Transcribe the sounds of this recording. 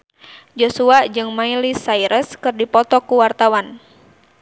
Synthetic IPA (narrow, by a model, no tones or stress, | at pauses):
d͡ʒosuaʔd͡ʒɨŋmailisaiɾʔəskɨrdipɔt̪ɔkuwart̪awan